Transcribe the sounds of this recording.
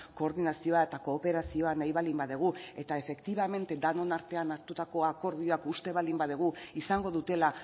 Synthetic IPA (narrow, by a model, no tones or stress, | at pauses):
ko̞ːɾðinasio̞ae̞t̪ako̞ːpe̞ɾasio̞anajβalimbaðeɣ̞ue̞t̪ae̞fe̞kt̪iβame̞nt̪e̞d̪ano̞naɾt̪e̞anaɾt̪ut̪ako̞ako̞ɾð̞io̞akust̪e̞βalimbaðeɣ̞uisaŋɡo̞ðut̪e̞la